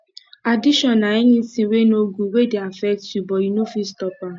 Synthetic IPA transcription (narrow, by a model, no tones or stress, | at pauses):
adiʃɔnːaiɲĩsĩwenoɡuwedeafɛk̚tjubɔinofistɔpa